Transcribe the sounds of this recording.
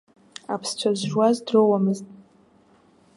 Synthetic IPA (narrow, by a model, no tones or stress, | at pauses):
a̰pʰst͡ʃʷʰazʒwazdrowamɨztʼ